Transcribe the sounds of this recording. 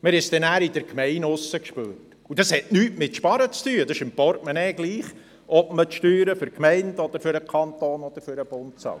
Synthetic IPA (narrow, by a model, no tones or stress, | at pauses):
mɪɾɪst̪ɛnæːɾɪd̪əɾkʰmɛɪnʊsːəkʃpø̰ːɾt | ud̥ɑshɛtnyːtmɪtʃpɑɾət͡styːəd̥̪ɑʃɪmpɔɾtmənɛːɡ̥liːχ | ʔɔbmətʃtyːɾəfʏɾkmɛɪndɔd̥̪əɾfʏɾəkʰɑnt̪oːnɔd̥̪əɾfʏɾəb̥ʊntsɑ̰l